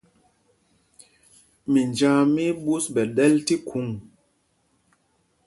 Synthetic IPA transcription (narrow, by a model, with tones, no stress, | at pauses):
mi˨nd͡ʒã˦mi˦ɓu˦sbɛ˨ɗɛ˦lti˦kʰu˨˦ŋ